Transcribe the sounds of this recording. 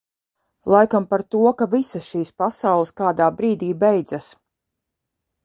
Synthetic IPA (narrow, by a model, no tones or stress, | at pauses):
lˠajkampaɾt̪uɔkavisasʃiːspasawlˠɪskaːd̪aːbɾiːd̪iːbɛjd̪zas